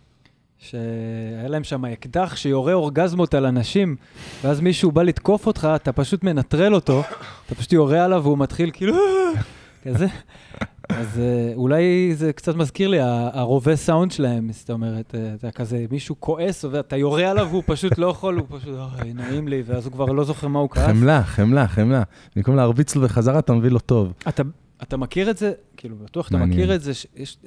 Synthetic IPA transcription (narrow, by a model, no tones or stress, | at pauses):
ʃeajalae̞mʃamaekdaχʃejo̞ʁeo̞ʁɡazmo̞t̪alanaʃimveazmiʃubalit̪ko̞fo̞tχaːtapaʃut̪me̞nat̪ʁe̞lo̞to̞at̪apḁʃu̥t̬jo̞ʁealavumatχilkiːlu | kaze | azeulajzekt͡satmazkiʁliaːʁo̞ve̞sawnd̪ʃelae̞mst̪aome̞ʁet̪eat̪akaze̞miʃukʰo̞ʔesoveat̪ajo̞ʁealavupaʃut̪lo̞jaχolupaʃutajnoimliveazhukvaʁlo̞zo̞χe̞ʁmaukaaelaχemlaχemla | mikomleaʁbit͡sloveχazaʁaːt̪amevilo̞t̪o̞vat̪a | atamakiʁetze̞ | kiːlubatuaχatt̪aamankiʁetze̞ʃejeʃ